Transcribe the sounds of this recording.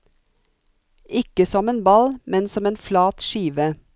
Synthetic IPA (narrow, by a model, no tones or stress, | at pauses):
ɪkəsɔmeːnbɑlmɛnsɔmeːnflɑːt̪ʃiːʋə